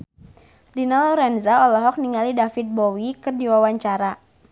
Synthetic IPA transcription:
dinalɔɾɛnzaɔlɔɦɔk̚niŋalidafit̪̚bɔwikɨrdiwawaɲt͡ʃaɾa

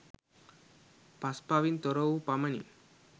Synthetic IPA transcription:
paspaʋint̪ɔɾoupamɐnḭ

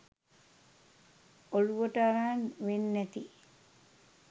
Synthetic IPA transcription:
oluʋəʈəaɾaːnʋenːæt̪i

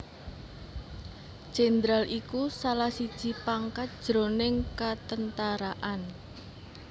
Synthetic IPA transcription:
d̥ʒ̥end̪ɾalikusalahsid̥ʒ̥i̤paŋkat̪̚d̥ʒ̥ɾonɪŋkat̪ənt̪aɾaʔan

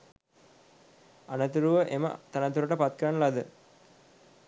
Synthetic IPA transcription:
anət̪uɾuʋəʔemə̰t̪anət̪uɾəʈəpat̪kəɾanːəlad̪ə

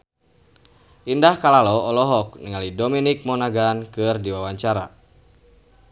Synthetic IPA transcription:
ʔindahkalalɔɔlɔɦɔk̚niŋalidominik̚mɔnaɡankɨrdiwawaɲt͡ʃaɾa

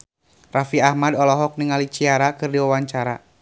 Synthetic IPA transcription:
rafiahmadɔlɔɦɔk̚niŋalit͡ʃiaɾakɨrdiwawaɲt͡ʃaɾa̰

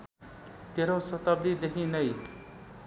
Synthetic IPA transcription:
t̪eɾosʌt̪abdid̪ekʰinʌj

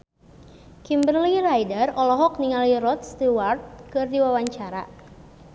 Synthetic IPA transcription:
kimbrlirajdərɔlɔɦɔk̚niŋaliɾɔt̪̚st̪iwart̪̚kɨrdiwawaɲt͡ʃaɾa̰

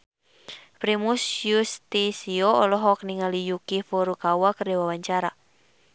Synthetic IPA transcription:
pɾimusjust̪isioɔlɔɦɔk̚niŋalijukifoɾukawakərewawaɲt͡ʃaɾa̰

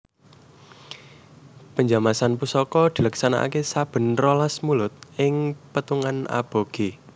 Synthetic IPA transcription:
pəɲd͡ʒamasanpusɔkɔd̪̥i̤ləksana̰ʔa̰kesab̥ə̤nrolasmulʊt̪̚ɪŋpət̪uŋana̰b̥o̤ɡ̥e

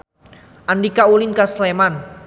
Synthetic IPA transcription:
ʔandikaulinkasleman

